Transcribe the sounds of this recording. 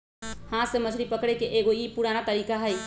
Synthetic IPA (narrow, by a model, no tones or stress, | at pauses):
hãsẽmət͡ʃʰɾipəkɽɛkeʔeɡoipuɾanat̪əɾikaɦəj